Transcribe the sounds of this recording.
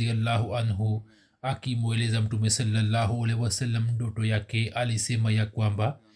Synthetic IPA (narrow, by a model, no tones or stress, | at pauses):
ijɐlːaːɦuʔɐnɦu | ɐkimolezɐmʈumesɐlːɐlːaːɦuɐlewɐsɐlːɐmɖoʈojaːkeʔɐlisemɐjakwamba